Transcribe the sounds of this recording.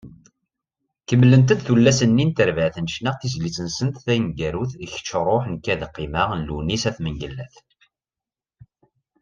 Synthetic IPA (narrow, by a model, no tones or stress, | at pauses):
kəmːlənt̪̬əd̪θulːæsənːint̪əɾvəʕθənʃnæʁθizlit͡sənsənt̪θæjənɡæɾuθiç̥t͡ʃːɾˤoħnkːæðqːiməʁnlunisæθməŋɡəlːæθ